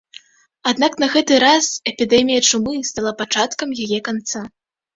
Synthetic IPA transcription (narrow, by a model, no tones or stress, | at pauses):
ad̪naknɐɣɛt̪ɨɾasɛpʲid̪ɛmʲijɐt͡ʂumɨst̪alˠapat͡ʂat̪kɐmjajɛkant̪sa